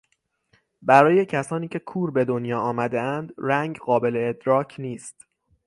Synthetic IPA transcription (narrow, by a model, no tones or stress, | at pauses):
bæɾɒːje̞cʰæsɒːniːcʰe̞kʰuːɾbe̞d̪onjɒːɒːmæd̪e̞ænd̪ɾæŋɡɢɒːbe̞le̞ːd̪ɾɒːcʰniːst̪